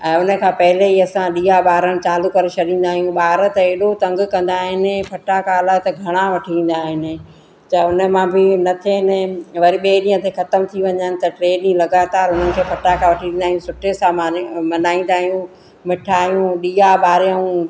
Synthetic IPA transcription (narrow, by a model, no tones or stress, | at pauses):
ɛ̃ːʊnəkʰãːpɐɦɪleɦiɐsãɗiːaɓaːɾəɽ̃̆t͡ɕaːlukɐɾet͡ɕʰɐɗĩːn̆d̪aːɦijũɓaːɾət̪ɐeːɗot̪ɐ̃ŋɡkɐ̃nd̪aːɦɪnɪpʰɐʈakʰaːlaːɦt̪ɐɡʱɐɽ̃aʋɐʈʰiĩːn̆d̪aːɦɪnɪ̆ | t͡ɕaːʊnə̆mãbɪnɐt̪ʰenɛʋɐɾiɓeːɗĩːə̃t̪ʰexɐt̪əmt̪ʰiʋɐɲənɪ̆t̪ɐʈɾeːnĩlɐɡaːt̪aːɾɦʊn̤ənɪ̆kʰeːpʰɐʈakʰãʋɐʈʰiĩnd̪aːɦijũsʊʈʰesãmɐnaːĩn̆d̪aːɦijũ | mɪʈʰaːɦijũɗiːabaːɾjũ